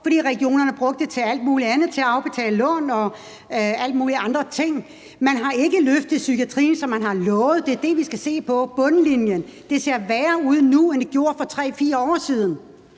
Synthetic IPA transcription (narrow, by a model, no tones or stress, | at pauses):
fɒ̽d̥ɾḭːʁɛɡ̥io̝̰ːnɐnəb̥ʁɔ̽ɡ̥̚d̥et͡sʰe̝æl̰d̥̚muːliænð̞̩ˠt͡sʰe̝æɑ̈ʊb̥e̝t͡sʰɛ̰ːləlɔ̽n̰ɒ̽ | æl̰d̥muːliɑ̈nd̥ʁɐt͡sʰe̝ŋ̰ | mænɦɑ̈e̝ɡ̥əløfd̥ð̩ˠsyɡʰiæt͡sʰʁḭːn̩sɒ̽mænɦɑ̈lɔːʊð̞̩ˠd̥e̝ɐd̥e̝ʋisɡ̥æse̝̰ːpʰɒ̽b̥ɔ̽nəlinjənd̥e̝se̝ɐ̰ʋæɐuð̞̰ˠnuend̥e̝ɡjo̝ːɐfɒ̽t͡sʰʁɛ̰ːfiːɐɒ̰ːsiːð̞ˠn̩